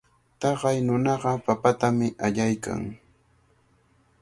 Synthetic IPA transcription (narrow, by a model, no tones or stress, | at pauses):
t̪ɑɢɑjnʊnɑɢɑpapat̪amɪʔaʎajka̰ŋ